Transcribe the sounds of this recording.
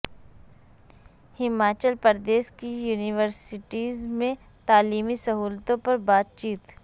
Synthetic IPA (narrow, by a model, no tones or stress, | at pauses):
hɪmaːt͡ʃəlpəɾd̪eːʃkijuːnɪʋəɾsɪʈiːzmẽ | t̪aːliːmisɐɦuːlt̪õpɐɾbaːt̪̚t͡ʃiːt̪